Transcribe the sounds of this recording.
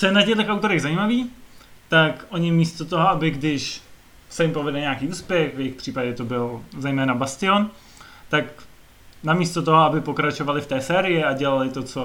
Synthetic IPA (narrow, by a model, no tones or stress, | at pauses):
t͡sojɛnacɛɣdlɛxawt̪o̞ɾɛɣzajiːmaviːt̪akʔo̞ɲɪmiːst̪ot̪oɦoabɪɡdɪʃ | sɛjɪmpo̞vɛdɛɲaːkiːuːspjɛxvjɛjɪxpr̝̥iːpaɟɛt̪o̞bɪlzɛjmɛːnabast̪ɪon | t̪ak | namiːst̪ot̪o̞ɦoabɪpo̞kɾat͡ʃo̞valɪft̪ɛːsɛːɾɪjɪaɟɛlalɪt̪o̞t͡so